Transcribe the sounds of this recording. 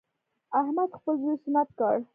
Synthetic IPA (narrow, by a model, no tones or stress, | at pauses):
ahmad̪xpəlzujsʊnat̪̚kɑɽ